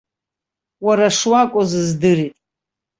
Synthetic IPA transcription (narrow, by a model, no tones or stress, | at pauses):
waɾaʂwakʷʼozɨzdɨɾitʼ